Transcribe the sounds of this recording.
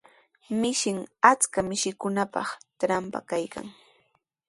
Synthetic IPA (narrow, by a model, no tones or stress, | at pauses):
mɪʃɪŋat͡skamɪʃɪkʊnapɑ̰χtɾampa̰kajka̰ŋ